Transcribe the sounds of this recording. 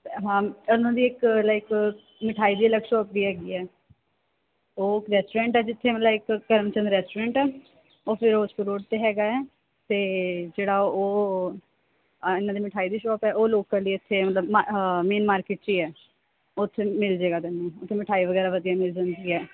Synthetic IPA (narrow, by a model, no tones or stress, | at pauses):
ɦãːɪnãːd̪iːɪklaɪk | mɪʈʰaːiːd̪iːələɡʃɔːp̚d̪iːɦɛːɡiːɛː | oːɪkɾɛːsʈoːɾẽːɳʈɛːd͡ʒɪt̪ʰːeːməlaɪkːəɾəmt͡ʃə̃nd̪ɾɛːsʈoɾẽːɳʈɛː | oːpʰɪɾoːskoɾoːɖt̪eːɦɛːɡaːɛː | t̪eːd͡ʒeːɽaːoː | ɪnːãːd̪iːmɪʈʰaːiːd̪iːʃɔːpɛːʔoːloːkəɾliɪt̪ʰːeːmət̪ləbmameːnmaːɾkeːʈ̚t͡ʃiːɛː | ot̪ʰːeːmɪld͡ʒeːɡaːd̪ɛnːẽːʊt̪ʰːeːmɪʈʰaːiːʋəɡɛːɾaːʋəd̪ijaːmɪld͡ʒãːnd̪iːɛː